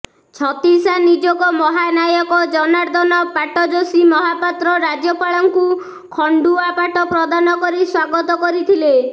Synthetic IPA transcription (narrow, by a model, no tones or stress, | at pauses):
t͡ʃʰɔt̪isanid͡ʒɔkɔmɔɦanajɔkɔd͡ʒɔnaɾd̪ɔnɔpaʈɔd͡ʒosimɔɦapat̪ɾɔɾad͡ʒjɔpaɭɔŋku | kʰɔɳɖuapaʈɔpɾɔd̪anɔkɔɾiswaɡɔt̪ɔkɔɾit̪ʰile